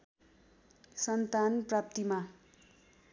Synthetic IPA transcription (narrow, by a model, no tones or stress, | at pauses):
sʌnt̪anprap̚t̪ima